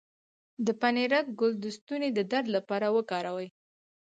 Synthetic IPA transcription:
d̪əpaneɾak̚ɡʊld̪əst̪uned̪əd̪aɾd̪lapɑɾawəkɑɾawəj

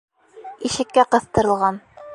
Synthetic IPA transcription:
iʃɘ̆kːæqɤ̆θt̪ɤ̆ɾɤ̆lˠʁɑn

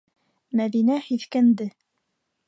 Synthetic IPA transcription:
mæðinæhiθkænd̪ɘ

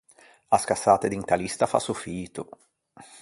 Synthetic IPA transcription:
askasːaːt̪ed̪iŋt̪alist̪afa̰sufiːt̪ʊ

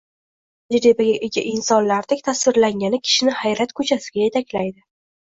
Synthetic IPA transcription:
d͡ʒɾebaɡʲaʔeɡʲaʔɪnsɒnlaɾd̪ɪkʲt̪ʰasvɪɾlaŋʲanɪkʲʰɪ̥ʃɪnɪhajɾat̪kʰɵt͡ʃʰasɪɡʲaje̞t̪ʰakʲlajd̪ɪ

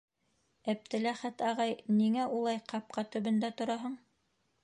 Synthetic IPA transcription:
æp̚t̪ɘ̆læχæt̪ɑʁɑjniŋæʔulˠɑjqɑp̚qɑt̪ɵ̆βɵ̆nd̪æt̪ŏɾɑɦɤɴ

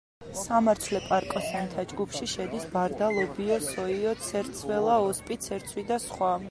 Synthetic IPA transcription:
samaɾt͡ʃʰlɛpʼaɾkʼɔsɛnt̪ʰad͡ʒɡupʰʃiʃɛd̪isbaɾd̪alˠɔbiɔsɔiɔt̪sʰɛɾt̪sʰwɛlˠaɔspʼit̪sʰɛɾt̪sʰwid̪asχwa

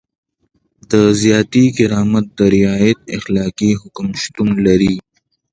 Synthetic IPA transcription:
d̪əzjɑːt̪ikɪɾɑːmat̪̚d̪əɾɪaːjet̪̚ɪ̰xlɑːkiɦʊkmʃt̪unlaɾi

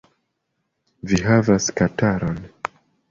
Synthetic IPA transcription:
viɦavaskataɾon

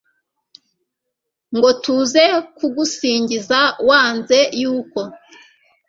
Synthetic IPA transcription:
ŋɡo̞tuze̞kuɡusiːɲɟizawaːnze̞juːko̞

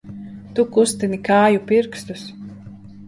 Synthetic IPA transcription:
t̪ukust̪inikaːjupiɾkst̪us

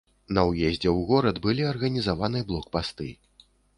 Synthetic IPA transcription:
nɐwjɛzʲd͡zʲɛwɣɔɾɐd̪bɨlʲiɐrɣɐnʲizavanɨjblˠɔkpast̪ɨ̰

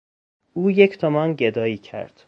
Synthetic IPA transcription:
uːjecʰt̪ʰomɒnɟed̪ɒːiːcʰæ̰ɾd̪̥

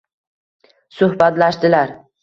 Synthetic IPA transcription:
sʊhbat̪laʃt̪ɪlaɾ

